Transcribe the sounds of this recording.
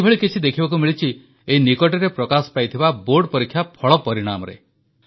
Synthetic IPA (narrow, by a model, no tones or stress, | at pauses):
bʱɔɭikit͡ʃʰid̪ekʰibak̬umiɭit͡ʃʰi | einikɔʈɔɾepɾɔkasɔ̥pajt̪ʰibaboɾɖpɔɾikʰːjapʰɔɭɔpɔɾiɽ̃a̰mɔ̰ɾḛ